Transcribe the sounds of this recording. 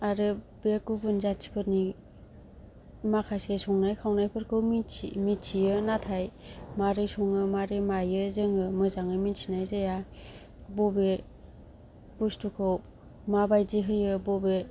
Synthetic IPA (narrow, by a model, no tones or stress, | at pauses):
aɾɯ | bekubunzatʰi̥pʰɯɾni | makʰasesɔŋnajkʰawnajpʰɯɾkʰɯwmiḭmitsiɯnatʰajmaɾisɔŋɯmaɾemajɯzɯŋɯmɯzaŋɯminsʰinajzaja | bobe | bustʰukʰɯw | mabajziɦɯjɯbobe